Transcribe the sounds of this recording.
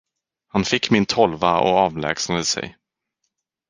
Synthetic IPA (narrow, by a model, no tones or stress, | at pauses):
hanfɪkːmɪnt̪ʰɔlvaɔ̰ɑːvlɛ̰ːɡsnad̪əsɛ̰j